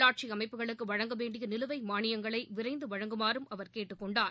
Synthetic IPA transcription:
aːʈ̚t͡ʃiɐmɐɪpːɯɣɐɭɯkːɯʋɐɻɐŋɡɐʋeːɳɖɪjɐnɪlɯʋɐɪmaːɳɪjɐŋɡɐɭɐɪʋɪɾɐɪnd̪ɯʋɐɻɐŋɡɯmaːɾɯmɐʋɐɾkeːʈːɯkːɔɳɖaːɾ

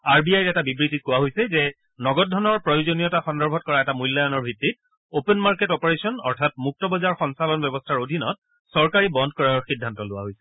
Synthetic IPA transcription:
aɹbiajɹɛtabibɹitit̚kʊwaɦojsɛzɛ | nɔɡɔtdʱɔnɔɹpɹɔjozonijɔtaxɔndɔɹbʱɔt̚kɔɹaɛtamujlːajɔnɔɹbʱɹitːit̚ | openmaɹketɔpɔɹesɔnɔ̰ɹtʰat̚muk̚tɔbɔzaɹxɔnsalɔnbjɔbɔstʰaɹodʱinɔt̚ | sɔɹkaɹibɔndkɔɹajɔɹxidʱːantɔlʊwa̰ɦojsɛ̥

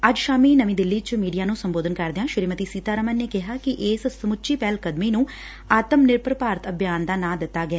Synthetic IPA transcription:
əd͡ʒʃaːmiːnəʋĩːd̪ɪlːiːt͡ʃmiːɖijaːnũːsəmboːd̪ənkəɾd̪ɪjãːʃɪɾiːmət̪iːsiːt̪aːɾəmənːeːkɪɦaːkɪʔɪːssəmʊt͡ʃiːpɛːlkəd̪miːnũː | aːt̪əmnɪɾpɾəpaːɾət̪əbjaːnd̪aːnãːd̪ɪt̪ːaːɡɛː

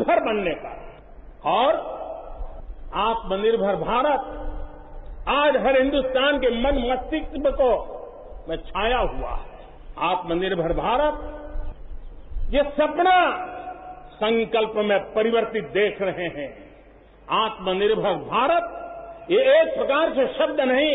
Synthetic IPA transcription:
bʱəɾbənːeka̰ | ɔːɾ | aːt̪mənɪɾbʱəɾbʱaːɾət̪̚ | aːd͡ʒɦəɾɦɪ̃nd̪ust̪aːnkemənməst̪ɪkt̪məko | mẽt͡ʃʰaːjaɦua̰ɦɛ | aːt̪mənɪɾbʱəɾbʱaːɾət̪̚ | jesɐpna | sə̃ŋkəlpmẽpɐɾɪʋəɾt̪ɪt̪̚d̪eːkʰɾɐɦeɦɛ̃ | aːt̪mənɪɾbʱəɾbʱaːɾət̪̚jeeːk̚pɾɐkaːɾseʃɐbd̪ʱnɐɦĩ

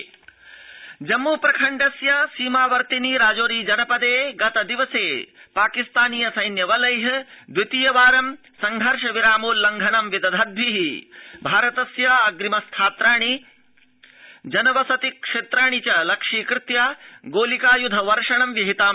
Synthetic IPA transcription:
d͡ʒɐmːuːpɾɐkʰɐɳɖɐsjɐsiːmaːʋɐɾt̪iniːɾaːd͡ʒoːɾiːd͡ʒɐnɐpɐd̪eːɡɐt̪ɐd̪iʋɐseːpaːkist̪aːniːjɐsɐjnjɐʋɐlɐjɦɐd̪ʋit̪ijɐʋaːɾɐm | sɐŋɡʱɐɾʂɐʋiɾaːmuːllːɐŋɡʱɐnɐmʋid̪ɐd̪ʱɐd̪ʱʋiɦibʱaːɾɐt̪ɐsjɐɐɡɾimɐst̪ʰaːt̪ɾaːɳ̃i | d͡ʒɐnɐʋɐsɐt̪ikʂeːt̪ɾaːɳ̃it͡ʃɐlɐkʂiːkɾɪt̪jaːɡoːlikaːjud̪ʱɐʋɐɾʂɐɳɐmʋjɐɦit̪aːm

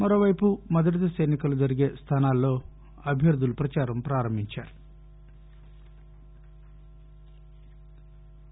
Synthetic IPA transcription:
mɐɾo̞ːʋɐjpumɐd̪ɐʈid̪ɐsɐjnikɐlud͡ʒɐɾiɡe̞ːst̪ʰaːnaːlːo̞ː | ɐbʱjɐɾd̪ulupɾɐt͡ʃaːɾɐmpɾaːɾɐmbʱiɲt͡ʃaːɾu

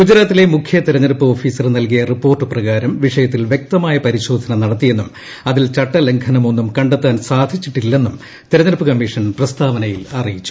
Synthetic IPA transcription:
ɡud͡ʑɐɾaːt̪ːile̞mukʰjɐt̪iɾɐnɐɾpːɨoːfiːsɐrnɐlkijɐripːo̞ːrʈːɨprɐɣaːɾɐmʋiʂɐjɐt̪̬ːilʋjek̚t̪ɐmaːjɐpɐɾiɕo̞ːd̪ʱɐnɐnɐɽɐt̪ːije̞nːum | ɐðilt͡ɕɐʈːɐle̞ŋkʰɐnɐmo̞nːumkɐɳɖet̪ːaːnsaːd̪ʱit͡ɕːiʈːilːe̞nːum | t̪iɾɐɲɐɾpːɨkɐmːiːʂɐnprɐst̪ʰaːʋɐnɐjilɐrijit͡ɕːu̥

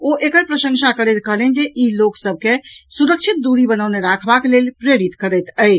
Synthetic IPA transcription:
oʔekəɾpɾəsə̃ŋsʰakəɾɛt̪kəɦlɛnd͡ʒeʔiloksəb̚ʱkesuɾəkt͡ʃʰit̪̚d̪uɾibənəwneɾakʰbakelelpɾeɾit̪kəɾəjt̪əj

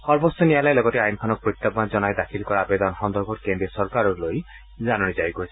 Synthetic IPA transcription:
hɔɾbɔsɔnialajlɔɡɔʈiajnkʰɔnɔk̚pɾit̪ːɔpːand͡ʒɔnaed̪akʰilkɔɾaabed̪ɔnɦɔnd̪ɔɾɡʱɔʈkend̪ɾiesɔɾkaɾɔɾloj | d͡ʒanɔɽ̃id͡ʒajikoit͡ʃʰ

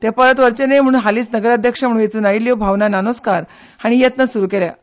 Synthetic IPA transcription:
t̪ɛpəɾət̪ʋəɾt͡ɕenejm̤əɽ̃uːnɦaliːt͡snəɡəɾad̪ʱjəkʂəm̤əɽũjet͡suːnailjobʱaʋnananoskaɾ | haɽ̃ijet̪nəsuɾuːkeljã

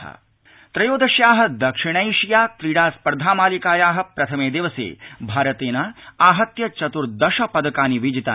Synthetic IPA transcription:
a̰ | t̪ɾɐjoːd̪ɐʃjaːɦɐ̆d̪ɐkʂiɳ̃ɐjʂijaːt̪ɾiɽaːspɐɾd̪ʱaːmaːlikaːjaːɦɐ̆pɾɐt̪ʰɐmeːd̪eːʋɐsḛːbʱaːɾɐt̪eːnɐaːɦɐt̪jɐt͡ʃɐt̪uɾd̪ɐʃɐpɐd̪ɐkaːniʋid͡ʒit̪aː

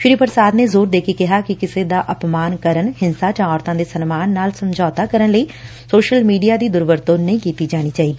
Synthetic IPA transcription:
fʰɪɾiːpəɾsaːd̪neːzoːɾd̪eːkʰeːkɪɦaːkɪkɪseːd̪aːʔəpmaːnkəɾənhɪnsaːd͡ʒãːɔːɾt̪ãːd̪eːsənmaːnːaːlsəmd͡ʒɔːt̪aːkəɾənləiː | soːʃəlmiːɖijaːd̪iːd̪ʊɾʋəɾt̪oːnəĩːkiːt̪iːd͡ʒaːɽ̃iːt͡ʃaːiːd̪iː

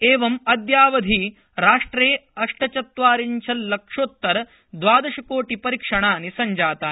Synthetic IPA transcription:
eːʋɐmɐd̪jaːʋɐd̪ʱi | ɾaːʂʈɾeːɐʂʈɐt͡ʃɐt̪ʋaːɾiɲt͡ʃʰɐlːɐkʂoːt̪ːɐɾ | d̪ʋaːd̪ɐʃɐkoːʈipɐɾikʂɐɳaːnisɐɲd͡ʒaːt̪aː

